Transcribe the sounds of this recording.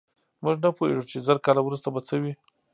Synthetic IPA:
muʒnapoḛʒut͡ʃezəɾkɑlawɾust̪abat͡səwi

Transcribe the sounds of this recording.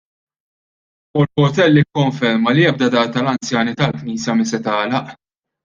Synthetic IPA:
ʊlpɔɾt̪ɛlːikːɔɱfɛɾmɐliɛb̚d̪ɐd̪ɐɾt̪ɐlɐnt͡sjɐːnit̪ɐlkniːsjɐmɪsɛt̪ɐːlɐʔ

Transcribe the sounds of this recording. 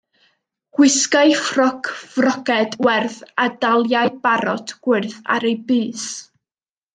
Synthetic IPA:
ɡ̥wɪskaɨfrɔkʰv̥rɔkɛdwɛrðadalˠjaɨbaɾɔtʰɡ̥wɪrθa̰ɾejbɨːs

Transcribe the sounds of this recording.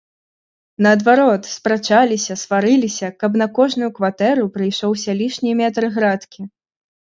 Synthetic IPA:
nɐːd̪vaɾɔt̪spɾat͡ʂalʲisʲɐsvaɾɨlʲisʲɐkɐpn̪ɐkɔʐnujukvat̪ɛɾupɾɨjʂɔwsʲalʲiʂnʲijmʲɛt̪ɾɨɣɾat̪kʲi

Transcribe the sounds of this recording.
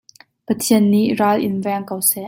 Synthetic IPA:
pɐt̪ʰiənːiʔraːlʔɪ̰nvɛŋkəwsɛʔ

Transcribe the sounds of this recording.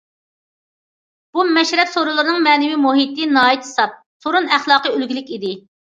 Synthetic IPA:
b̥umɛʃɾɛpsoɾulˠɨɾɨnɨŋmɛːnɪwimuɦit̪ɪnɑːjit̪he̥sɑp̚ | soɾunæχlˠɑːqəølɡʲilɪkʲid̪ɪ

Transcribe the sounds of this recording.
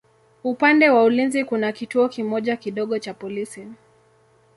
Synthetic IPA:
upandɛwaulinzikunakituɔkimɔʄakiɗɔɠɔt͡ʃapɔlisi

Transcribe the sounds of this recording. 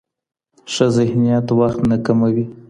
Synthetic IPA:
ʂəzɪhnijat̪waxt̪nakamawi

